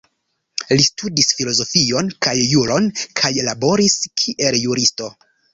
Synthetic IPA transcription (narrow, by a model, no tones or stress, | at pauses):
listudisfilo̞zo̞fio̞nkajːuɾo̞nkʰajlabo̞ɾiskʰiʔe̞ljuɾisto̞